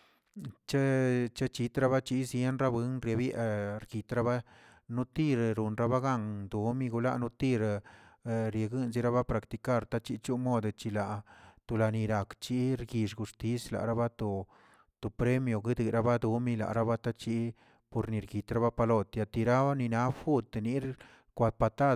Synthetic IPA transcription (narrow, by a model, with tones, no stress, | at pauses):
t͡ʃa˦t͡ʃa˦t͡ʃi˧t̪ɾa˦βa˦t͡ʃi˦zje˦nɾa˦bɨ˧˦nɾja˧bja˦˧ʔɾɡi˨t̪ɾa˦ba˦ | nu˦t̪i˦ɾɾu˨nɾa˦ba˦ɡa˦ŋd̪u˨mi˦ɡu˧la̰˦ʔnu˦t̪i˦˧ɾ | ɾje˨˧ɡɨ˦nzi˦ɾa˦βa˦pɾa˨kt̪i˧ka˦˨ɾt̪a˦t͡ʃi˦t͡ʃu˦mo˦d̪t͡ʃi˧la˨t̪o˧la˨˧ni˧ɾa˨kt͡ʃi˦ɾɡi˧ʂɡu˨st̪i˦sla̰˨ʔɾa˦ba˦t̪o˧ | t̪o˨pɾe˦mjo˨ɡɨ˦d̪ɨ˨ɾa˦ba˦d̪u˧mi˦la̰˨ɾa˦ba˦t̪a˦t͡ʃi˧˦ | po˧ɾni˨ɾɡi˨t̪ɾa˦ba˦pa˧lo˧t̪ja˧˨t̪i˨ɾa˦a˦ni˧na˦fu˦t̪ni˦ɾ | kʷa˧d̪̚pa˧t̪a˦